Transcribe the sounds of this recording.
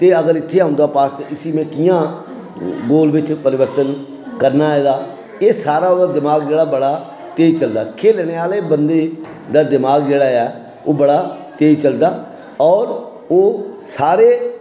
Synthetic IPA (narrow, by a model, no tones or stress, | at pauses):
t̪eːəɡəɾɪt̪ʰːeːãʊ̃nd̪aːpaːst̪ẽʔɪsiːmɛ̃ːkɪjãː | ɡoːlbɪt͡ʃpəɾɪʋəɾt̪ən | kəɾnaːɛːd̪aː | eːsaːɾaːoːd̪aːd̪ɪmaːɡd͡ʒeːɽaːbəɽaː | t̪eːd͡ʒt͡ʃəld̪aːkʰeːlɛːneːaːleːbənd̪eː | d̪aːd̪ɪmaːɡd͡ʒeːɽaːɛː | oːbəɽaːt̪eːt͡ʃəld̪aː | ɔːɾ | oːsaːɾeː